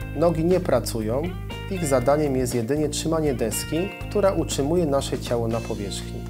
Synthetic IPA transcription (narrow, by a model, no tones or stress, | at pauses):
nɔɡʲiɲɛpɾat̪sujɔ̃w̃ | iɣzad̪aɲɛmjɛs̬t̪jɛd̪ɘɲɛtʂɘmaɲɛd̪ɛskʲikt̪uɾaʔutʂɘmujɛnaʂɛt͡ɕawɔnapɔvʲjɛʂxɲḭ